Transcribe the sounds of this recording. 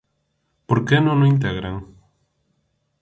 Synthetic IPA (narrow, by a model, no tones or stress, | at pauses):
poɾkenõnõĩnt̪̬eɣɾaŋ